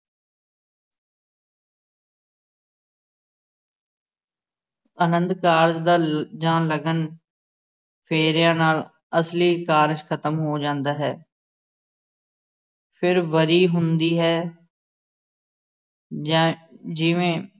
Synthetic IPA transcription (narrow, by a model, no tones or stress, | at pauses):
ənə̃nd̪kaːɾzd̪aːd͡ʒãːləɡən | pʰeːɾjãːnaːl | əsliːkaːɾd͡ʒkʰət̪əmɦoːd͡ʒãːnd̪aːɦɛː | pʰɪɾʋəɾiːɦʊnd̪iːɦɛː | d͡ʒɪʋẽː